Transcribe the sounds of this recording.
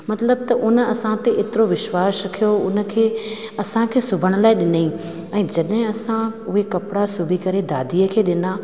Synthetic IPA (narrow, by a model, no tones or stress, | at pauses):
mɐt̪ləb̚t̪ɐʔʊnə̆ɐsãt̪eʔeːt̪ɪɾoʋɪʃwaːsɐkʰijoʊnə̆kʰeː | ɐsãkʰeːsʊbʱəɽ̃ə̆laːɪɗɪnəĩ | ɛ̃ːd͡ʑɐɗɦɪ̃ɐsãʊɦekɐpɪɽasʊbʱikɐɾed̪a̰ːd̪ʱiːəkʰeːɗɪna